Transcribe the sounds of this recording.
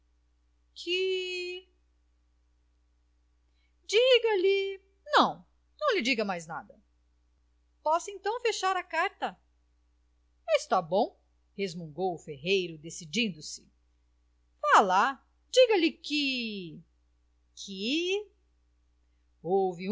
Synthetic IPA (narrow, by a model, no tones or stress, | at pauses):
kʰɪ | d͡ʒiɡɐlɪ | nɐ̃w̃ | nɐ̃w̃lɪd͡ʒiɡɐmajznad̪ɐ | pɔsẽnt̪ɐ̃w̃feʃaɾɐkaɾt̪ɐ | ɪst̪abõw̃ | hezmũŋɡowʊfeɦejɾʊd̪esid͡ʒĩnd̪ʊsɪ̥ | vala | d͡ʒiɡɐlɪkɪ | kʰɪ | owvɪ